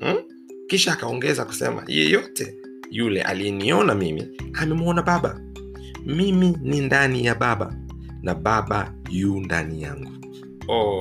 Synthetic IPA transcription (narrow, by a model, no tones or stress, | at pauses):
kiʃaːkaɔŋɡɛzaku̥sɛ̰ma̰jɛ̰jɔtɛ | julɛ̰ʔa̰lijɛniɔnamimḭamɛmwɔnaɓaɓa̰ | miminindanijaɓaɓa̰ | naɓaɓa | jundanija̰ŋɡu | ɔ